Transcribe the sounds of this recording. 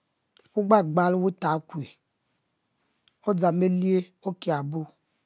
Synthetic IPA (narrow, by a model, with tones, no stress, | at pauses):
wu˦ɡ͡ba˦˨ɡ͡ba˨lwu˦ta˨˦kʷe˨ | o˦d͡za˨me˦li˦e˦ | o˦ke˨a˨bu˦